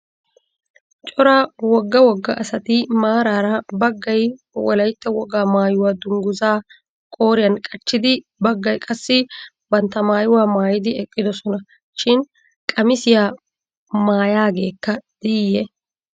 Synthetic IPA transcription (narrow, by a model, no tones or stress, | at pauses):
t͡ʃʼɔɾaːwɔɡːɐwɔɡːɐʔɐsɐt̪ɪmaːɾaːɾɐbɐɡːɐj | wɔlɐjt̪ːɐwɔɡaːmaːjʊwaːd̪ʊŋɡʊzaː | kʼo̞ːɾɪjɐnkʼɐt͡ʃːɪd̪ɪ | bɐɡːɐjkʼɐsːɪ | bɐnt̪ːɐmaːjʊwaːmaːjɪd̪ɪɛkʼːɪd̪ɔsɔnɐ | ʃɪn | kʼɐmɪsɪjaː | maːjaːɡe̞ːkːɐd̪̥ɪjɛ